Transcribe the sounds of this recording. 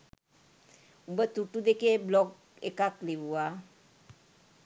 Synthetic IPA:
umbət̪uʈud̪ekeblɔɡ | ḛkakleʋua

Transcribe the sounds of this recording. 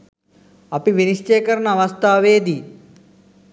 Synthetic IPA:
ɐpiʋinist͡ʃeːkɐɾɐnəɐʋɐst̪ʰaːʋeːd̪i

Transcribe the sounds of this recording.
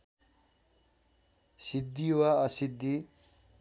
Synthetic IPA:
sid̪ʱːiwaɐsid̪ːi

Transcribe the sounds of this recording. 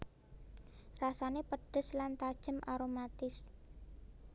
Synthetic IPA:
rasanepəɖ̥ə̤slant̪ad̥ʒ̥əmʔaɾomat̪ɪs

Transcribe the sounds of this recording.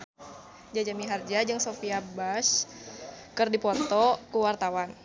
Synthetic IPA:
d͡ʒad͡ʒamiɦard͡ʒad͡ʒəŋsofiabas | kərdipɔt̪ɔkuwart̪awan

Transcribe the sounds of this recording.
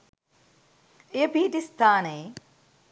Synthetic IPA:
ejəpiːʈist̪ʰaːnəe

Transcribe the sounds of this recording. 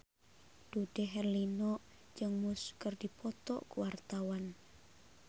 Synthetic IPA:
d̥ud̥eɦɛrlinɔʔ | d͡ʒɨŋmʊskərdipɔt̪ɔ̰ʔkuwart̪awan

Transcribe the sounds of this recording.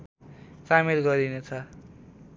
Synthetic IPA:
samilɡʌɾinet͡sʰʌ

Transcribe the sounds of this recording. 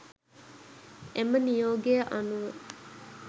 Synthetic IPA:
ʔemənijoːɡeːʔɐnuʋe

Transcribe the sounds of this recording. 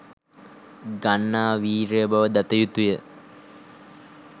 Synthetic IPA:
ɡanːaːʋiːɾejəbaʋəd̪at̪əjut̪ujə

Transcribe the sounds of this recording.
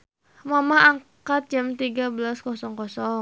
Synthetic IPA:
mamahaŋkat̪̚d͡ʒamt̪iɡabəlaskɔsɔŋkɔsɔ

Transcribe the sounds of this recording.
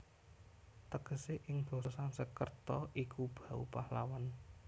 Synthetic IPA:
t̪əɡ̥ə̤seʔɪŋb̥o̤sansəkərt̪ɔʔikub̥ä̤ṵpahla̰wan

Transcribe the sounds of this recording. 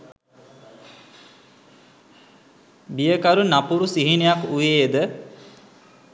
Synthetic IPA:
bijəkaɾunapuɾusiɦinejakujed̪ə

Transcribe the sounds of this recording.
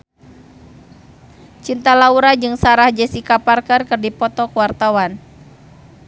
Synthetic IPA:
t͡ʃint̪alauɾad͡ʒɨŋsaɾahd͡ʒɛsikaparkərkɨrdipɔt̪ɔkəwart̪awan

